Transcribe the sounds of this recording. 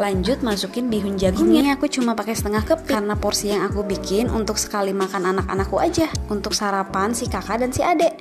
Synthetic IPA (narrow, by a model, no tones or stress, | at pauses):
laɲd͡ʒʊt̪̚masukɪnbiɦuɲd͡ʒaɡuŋaŋakut͡ʃumapakɛsə̥t̪əŋahkəpiɾənapɔrsijaŋakubikɪnʔṵnt̪ʊksə̥kalimakananaka̰nakːuad͡ʒaunt̪ʊksaɾapansihkakadansiadɛʔ